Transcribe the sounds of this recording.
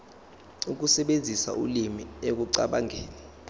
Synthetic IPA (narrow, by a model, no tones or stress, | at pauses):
uk̬usɛɓend͡zʱisa̰ʔulimiek̬uǀa̰ɓaŋʱɛːlɛ